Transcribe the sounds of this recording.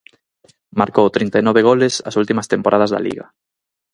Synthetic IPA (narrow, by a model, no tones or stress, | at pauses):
maɾkowt̪ɾint̪anɔβeɣ̞olɪsɐ̰sult̪imɐst̪empoɾað̞ɐzða̰lḭɣɐ̰